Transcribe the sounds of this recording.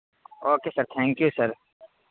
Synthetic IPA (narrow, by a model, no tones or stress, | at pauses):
oːkeːsɐɾt̪ʰɛ̃ːŋkjusɐɾ